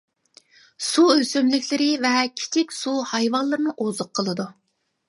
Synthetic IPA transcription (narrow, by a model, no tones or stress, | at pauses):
suøsømlɪkʲlɪɾɪvɛkʲʰi̥t͡ʃʰɪkʲsuhɑjvɑnlˠɨɾɨnɨʔozʊqʰːəlˠɨd̪u